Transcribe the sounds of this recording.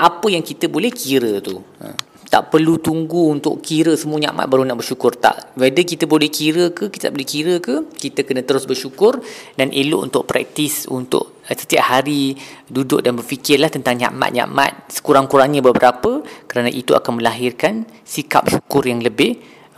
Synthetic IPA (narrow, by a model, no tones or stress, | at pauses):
ʔapəjaŋkit̪əbolɛhkiɾət̪uə̰ | t̪a̰ʔpərlut̪uŋɡuːnt̪ʊ̰ʔkiɾəsəmuəɲa̰ʔma̰t̪̚baɾunaʔbərʃukʊrt̪a̰ʔwedəkit̪əbolɛhkiɾəkəkit̪ət̪abolɛhkiɾəkəkit̪əkənə̃t̪əɾʊsbərʃukʊrdanʔelʊ̰ʔṵnt̪ʊʔ̚pɾɛ̰k̚t̪isṵnt̪ʊ̰ʔ | sə̥t̪iap̚haɾidudʊʔdanbərfikɪrlaht̪ənt̪aŋɲã̰ʔma̰t̪̚ɲã̰ʔma̰t̪̚sə̥kuɾaŋkuɾaŋɲəbəbəɾapəkəɾanaʔit̪ua̰kanmə̃laɦɪrkan | sika̰p̚ʃukʊrjaŋləbɪh